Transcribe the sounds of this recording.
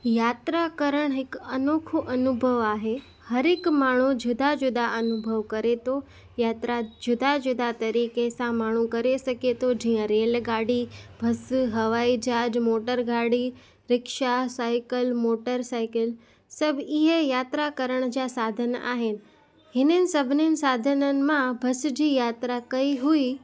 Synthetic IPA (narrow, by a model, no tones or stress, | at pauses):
jaːt̪ɾakɐɾəɽ̃ɦɪkɐnoːkʰoʔɐnʊbʱəʋaːɦe | hɐɾɪkmaːɳ̤ud͡ʑʱʊd̪ʱad͡ʑʊd̪aʔɐnʊbʱəʋkɐɾet̪ʰo | jaːt̪ɾad͡ʑʊd̪ad͡ʑʊd̪at̪ɐɾiːkesãmaːɳ̤ukɐɾesɐket̪ʰod͡ʑiːə̃ɾeːlɡaːɽibʱɐsɦɐʋaːid͡ʑaːd͡ʑmoːʈəɾɡaːɽi | ɾɪkʃasaːɪkəlmoːʈəɾsaːɪkəl | sɐbʱɪɦəjaːt̪ɾakɐɾəɽ̃d͡ʑasaːd̪ʱəna̰ːɦɪnɪ̆ | ɦɪnənɪ̆sɐbʱɪnɪnɪ̆saːd̪ʱənənɪ̆mãbʱɐsd͡ʑiːjaːt̪ɾakɐiɦui